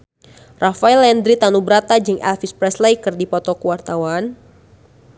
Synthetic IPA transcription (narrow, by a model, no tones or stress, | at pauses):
rafailɛnd̪ɾit̪anubəɾat̪ad͡ʒɨŋɛ̰lfispɾɛslejkərdipɔt̪ɔkəwart̪awan